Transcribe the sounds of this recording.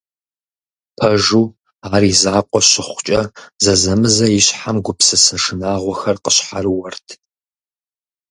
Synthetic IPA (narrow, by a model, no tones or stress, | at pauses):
pʰɐʒuː | aːrizaːqʷʼɔɕɪχʷʊt͡ʃʼɐzɐzɐmɨzɐjɪɕħamɡʷʊpsɨsɐʂɨnaːʁʷɔxɐrqəɕħarɨwɐrtʰ